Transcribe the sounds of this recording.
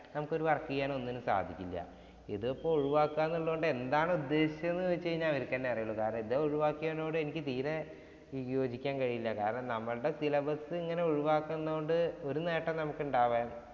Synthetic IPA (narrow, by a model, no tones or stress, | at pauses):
nɐmukːo̞ɾuʋɐrɐkːiɣjaːɳo̞nːinɨsa̰ːd̪ʱikʲːilːɐ̰ | iðuɐpːouɻuʋaːkːaːnːuɭːuɣoɳɖɨe̞nd̪aːɳɨud̪ːe̞ːɕit͡ɕːɐenːɨt͡ɕːe̞jiɲːaːiɾukːɐːnːeɐrɐjɐɭːukaːɾɐɳɐmiðeoɻuʋaːkːiɐɐno̞ːɽɨe̞nikʲːɨt̪iːne | jo̞ːd͡ʑikʲːaːnkɐɻijilːɐka̰ːɾɐɳɐmnɐmːɐɭɨɽe̞silɐbɐsɨiŋːɐne̞uɻuʋaːkːɐenːkoɳɖɨo̞ɾune̞ːʈːɐmnɐmukːuɳɖaːʋaːn